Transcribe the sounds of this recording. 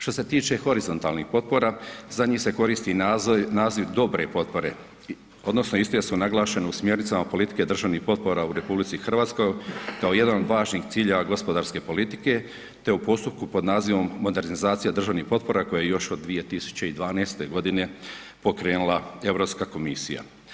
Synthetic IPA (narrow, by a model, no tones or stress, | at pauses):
ʃt̪o̞se̞t̪iːt͡ʃe̞xo̞ɾizo̞nt̪alnixpo̞t̪̚po̞ɾaːzaɲiːse̞ko̞ɾiːst̪inaːziʋd̪o̞bɾe̞po̞t̪̚po̞ɾe̞ | o̞d̪nosnoist̪ojesunaɡlˠaːʃe̞neusmje̞ɾnit̪amapo̞lit̪i̥ke̞d̪r̩ʒaʋnixpo̞t̪̚po̞ɾauɾe̞publit̪sixr̩ʋaːt̪sko̞jkao̞je̞d̪anod̪ʋaːʒniːxt̪siːʎeʋaɡo̞spo̞d̪aːɾske̞po̞lit̪i̥ke̞ | t̪e̞upo̞st̪up̚kupo̞d̪naːziʋo̞mːo̞d̪e̞ɾnizaːt̪sijad̪r̩ʒaʋnixpo̞t̪̚po̞ɾako̞jajejo̞ʃo̞d̪ːʋije̞t̪isu̥t͡ɕe̞id̪ʋaːneːst̪e̞ɡo̞d̪ine̞ | po̞kɾe̞ːnulˠae̞ʋɾo̞pskako̞misija̰